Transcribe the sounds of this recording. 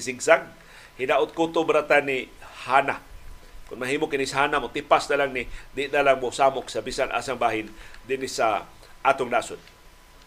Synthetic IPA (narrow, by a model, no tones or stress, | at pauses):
siɡsaɡ | hɪnaʔʊt̪̚kut̪ʊbɾat̪anihaːna̰kʊnmaɦiːmʊkɪnɪsaɦaːnamot̪ipasnalaŋnɪd̪ɪnalaŋmosaːmʊksabisanʔa̰ːsaŋbaːɦɪnd̪ɪnɪsa | ʔaːt̪ʊŋnaːsʊd̪